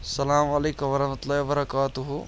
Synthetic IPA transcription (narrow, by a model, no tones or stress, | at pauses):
sɐlaːmɐleːkɐʋɐɾɐnɐt̪laːjbɐɾɐkaːt̪uɦu